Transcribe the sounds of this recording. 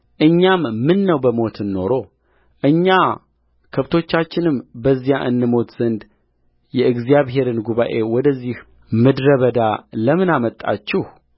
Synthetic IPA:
ʔɨɲːamːɨnːəwbəmo̞t̪ʰɨnːo̞ɾo̞ | ʔɨɲːa | kʰəβt̪ʰo̞t͡ʃːat͡ʃːɪnɨmbəzːijaʔɨnːɨmo̞t̪z̥ənd̪ | jɛɨɡzijaβɦe̞ɾɨnɡuβa̰ʔe̞wɔd̪əzːih | mɨd̪ɾəβəd̪aləmɨnamət̪ʼːa̰t͡ʃːɪh

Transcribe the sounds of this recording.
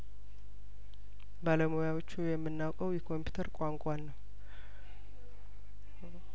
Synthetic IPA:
baləmojawot͡ʃːujɛmːɨnːawkʼəwjɛkʰo̞mpʰju̥t̪ʰəɾkʷʼaŋkʷʼanːəw

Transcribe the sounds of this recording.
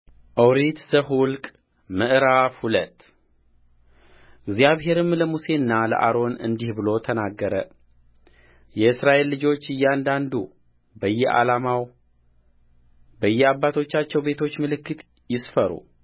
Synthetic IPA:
ʔəwɾit̪səɦwʊlkʼ | mɨʔɾafhulət̪ː | ɨɡzjaβɦe̞ɾɨmləmuse̞nːalə̰ʔa̰ɾo̞nɨ̰nd̪ihbɨlo̞t̪ʰənaɡːəɾə̰ | jɛɨsɾaʔe̞lːɨd͡ʒo̞t͡ʃːɨjːɛand̪and̪u | bəjːɛʔa̰lamaw | bəjːɛabːat̪ʰo̞t͡ʃːat͡ʃːɛwbe̞t̪ʰo̞t͡ʃːmɨlɨkːɨt̪ | jɪsfəɾṵ

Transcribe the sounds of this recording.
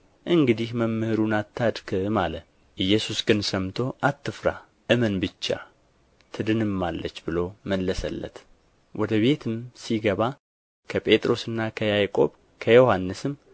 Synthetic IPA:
ʔɨŋɡɨd̪ihməmːɨhɨɾunat̪ʰːad̪kʰɨmalə | ʔɨjːɛsusɡɨnsəmt̪ʰo̞ʔat̪ːɨfɾa̰ | ʔɨmənbɨt͡ʃːa̰ | t̪ʰɨd̪ɨnɨmːalːət͡ʃːbɨlo̞məlːəsə̰lːə̰t̪ | wʔɔd̪əβe̞t̪ʰɨmsiɡəβa | kʰəpʼe̞t̪ʼɾo̞sɨnːakʰəjajkʼo̞̰β | kʰəjo̞hanːɨsɨm

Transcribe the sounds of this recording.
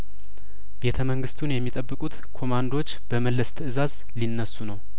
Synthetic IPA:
be̞t̪ʰəməŋɡɨst̪ʰunjɛmːit̪ʼəbːɨkʼut̪kʰo̞mand̪o̞t͡ʃːb̥əməlːəst̪ʰɨʔɨzaz | linːəsːunəw

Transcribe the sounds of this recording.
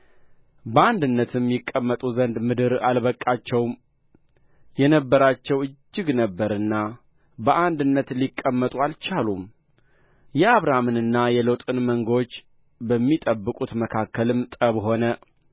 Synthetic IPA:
bəand̪ɨnːət̪ʰɨmjɪkʼːəmːət̪ʼuzənd̪mɨd̪ɨɾalβəkʼːat͡ʃːɛwm | jɛnəbːəɾat͡ʃːɛwɨd͡ʒːɨɡnəbːəɾɨnːa | bəʔand̪ɨnːət̪likʼːəmːət̪ʼualt͡ʃalum | jɛaβɾamɨnɨnːajɛləwt̪ʼɨnməŋɡot͡ʃː | bəmːit̪ʼəbːɨkʼut̪məkʰakːəlɨmt̪ʼəβɦo̞nə

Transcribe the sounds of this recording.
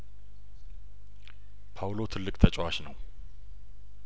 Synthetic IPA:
pʰawlo̞t̪ʰɨlːɨkʼt̪ʰət͡ʃʼwaʃnəw

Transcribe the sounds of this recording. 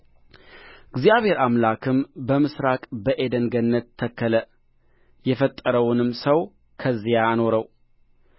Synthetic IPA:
ɡzijaβhe̞ɾamlakʰɨmbəmɨsɾakʼbəʔe̞d̪əŋɡənːət̪ʰːəkːələ | jɛfət̪ʼːəɾəwʊnɨmsəw | kʰəzːijaːno̞ɾəw

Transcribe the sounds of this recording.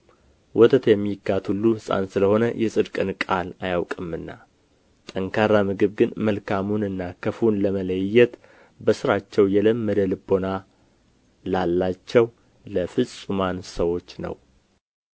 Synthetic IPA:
wʔɔt̪ʰət̪jɛmːiɡat̪ʰhulːusʼa̰nsɨləho̞nəjɛsʼɨd̪kʼɨnkʼalajawkʼɨmɨnːa | t̪ʼəŋkʰaɾamɨɡɨβɡɨnməlkʰamunɨnːakʰəfunləmələjjːɛt̪ | bəsɨɾat͡ʃːɛwjɛləmːəd̪əlɨbo̞na | lalːat͡ʃːɛw | ləfɨsʼumansəwo̞t͡ʃːnə̰w

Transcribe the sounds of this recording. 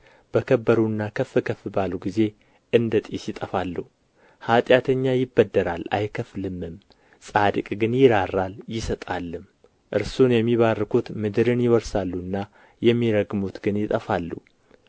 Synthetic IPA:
b̥əkʰəbːəɾuɨnːakʰəfːɨkʰəfɨbaluɡize̞ | ʔɨnd̪ət̪ʼisjɪt̪ʼəfalːəu | hat̪ʼjat̪ʰəɲːajɪbːəd̪ːəɾala̰jkʰəflɨmːɨm | sʼad̪ɨkʼɡɨnjɪɾarːaljɪsət̪ʼalːɨm | ʔɨɾsunjɛmːiβarːkʰut̪mɨd̪ɨɾɨnjɪwɔɾsalːuɨnːa | jɛmːiɾəɡmut̪ɡɨnjɪt̪ʼəfalːṵ

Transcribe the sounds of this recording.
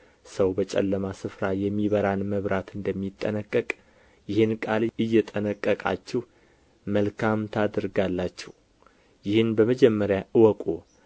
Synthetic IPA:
səwbət͡ʃʼɛ̰lːəmasɨfɾajɛmːiβəɾanməβɾat̪ʰɨnd̪əmːit̪ʼːə̰nəkʼːəkʼ | jɪhɨnkʼalɨjːɛt̪ʼənəkʼːəkʼa̰t͡ʃːɛh | məlkʰamt̪ʰad̪ɨɾɡalːat͡ʃːɛw | jɪhɨnbəməd͡ʒɛmːəɾjaʔɨwɔkʼo

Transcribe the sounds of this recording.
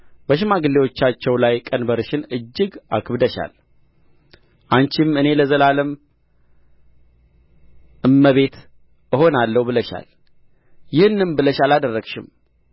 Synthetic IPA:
bəʃɪmaɡɨlːewo̞t͡ʃːat͡ʃːɛwlajkʼənbəɾɨʃɪnɨd͡ʒːɪɡʔa̰kʰɨβd̪əʃa̰l | ʔant͡ʃɪmɨne̞ləzəlaləm | ʔɨmːəβe̞t̪ | ɨho̞nalːəhubɨləʃa̰l | jɪhɨnːɨmbɨləʃalad̪ərːəɡʃɪm

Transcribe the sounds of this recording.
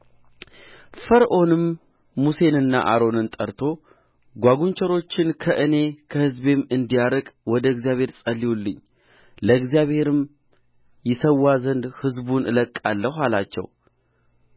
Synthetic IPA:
fəɾʔo̞nɨmː | use̞nɨnːa̰ʔa̰ɾo̞nɨnt̪ʼəɾt̪ʰo̞ | ɡʷaɡunt͡ʃʰəɾo̞t͡ʃːɪnkʰəʔɨne̞kʰəhɨzbe̞mɨnd̪ijaɾəkʼwɔd̪əɨɡzijaβhe̞ɾsʼəlːiwulːɨ̰ɲː | ləɨɡzijaβhe̞ɾɨm | jɪsəwːazənd̪hɨzbunʔɨ̰ləkʼːalːəhalat͡ʃːɛ̰w

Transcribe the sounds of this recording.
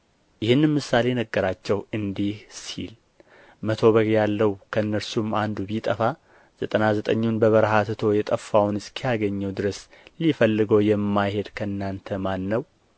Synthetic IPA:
jɪhɨnːɨmɨsːale̞nəɡːəɾat͡ʃːɛwɨnd̪ihsḭl | mət̪ʰo̞βəɡjalːəwkʰəɨnːəɾsumand̪ubit̪ʼəfa | z̥ət̪ʼənazət̪ʼəɲːunbəβəɾhat̪ʰɨt̪ʰo̞jɛt̪ʼəfːawnɨskʰijaɡəɲːəwd̪ɨɾəs | lifəlːɨɡəwjɛmːajhe̞d̪kʰəɨnːant̪ʰəmanːəw

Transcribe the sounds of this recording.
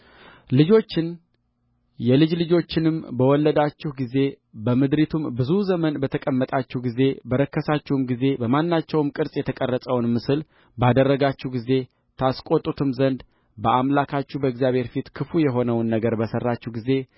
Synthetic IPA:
lɨd͡ʒo̞t͡ʃːɪn | jɛlɨd͡ʒlɨd͡ʒo̞t͡ʃːɪnɨmbəwɔlːəd̪at͡ʃːɪhɡize̞ | bəmɨd̪ɾit̪ʰumbɨzuzəmənbət̪ʰəkʼəmːət̪ʼat͡ʃːɛhɡize̞bəɾəkːəsat͡ʃːɛhwɨmɡize̞bəmanːat͡ʃːɛwɨmkʼɨɾsʼjɛt̪ʰəkʼərːəsʼəwnmɨsɨl | bad̪ərːəɡat͡ʃːuhɡize̞ | t̪ʰaskʼo̞t̪ʼːut̪ʰɨmzənd̪ | bəʔamlakʰat͡ʃːubəɛɡzijaβhe̞ɾfit̪kʰɨfujɛɦo̞nəwnːəɡəɾbəsərːat͡ʃːuhɡize̞

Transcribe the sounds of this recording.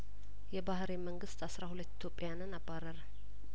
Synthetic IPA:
jɛbahɾeməŋɡɨst̪asɾahulət̪ːi̥t̪ʰjopʼːejanɨnabːaɾːəɾə

